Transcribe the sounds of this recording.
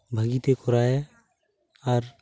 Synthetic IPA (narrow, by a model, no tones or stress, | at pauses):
bʱəɡit̪ekɔɾaɛ | aɾ